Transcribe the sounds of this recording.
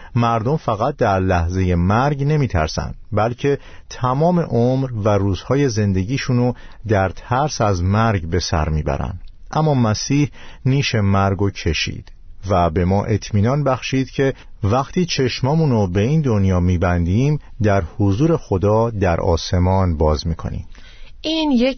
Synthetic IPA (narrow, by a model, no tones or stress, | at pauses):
mæɾd̪o̞mfæɣæt̪̚d̪æɾlæhze̞je̞mæɾɟne̞miːt̪ʰæ̰ɾsæ̰nd̪̥bælcʰe̞ | t̪ʰæmɒːme̞ʔomɾværuːz̥hɒːje̞ze̞nd̪e̞ɟiːʃuno | d̪æɾt̪ʰæɾsæzmæɾɟbe̞sæ̰ɾmiːbæ̰ɾæ̰nd̪̥ | ʔæmːɒːmæsiːhniːʃe̞mæɾɡocʰe̞ʃḭːd̪̥ | væbe̞mɒːʔe̞t̪ʰmiːnɒːnbæxʃiːd̪̥cʰe̞ | væxt̪ʰiːt͡ʃʰe̞ʃmɒːmuːnobe̞iːnd̪o̞njɒːmiːbænd̪iːm | d̪æɾhozuːɾe̞xo̞d̪ɒːd̪æɾʔɒ̰ːse̞mɒːnbɒːzmiːkʰo̞̰nḭm | ʔiːnje